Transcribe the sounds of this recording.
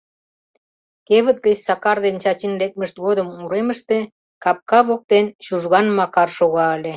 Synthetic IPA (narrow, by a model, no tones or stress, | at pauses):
keβə̆t̪̚ɡə̆t͡ɕsɑkɑrd̪ent͡ɕɑt͡ɕinlek̚məʃt̪ɣod̪ə̆muɾemə̆ʃt̪e | kɑp̚kɑβok̚t̪enɕuʒɣɑnmɑkɑrʃoɣɑəlʲe